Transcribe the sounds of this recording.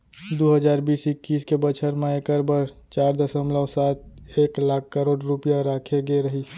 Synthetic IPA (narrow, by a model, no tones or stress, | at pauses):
d̪oɦəd͡ʒaːɾbiːsɪkːiːskebət͡ʃʰəɾmẽeːkəɾbəɾt͡ʃaːɾd̪əsəmləwsaːt̪̚eːklaːkʰkːəɾoːɖɾʊpijaɾaːkʰeɡeɾəɦi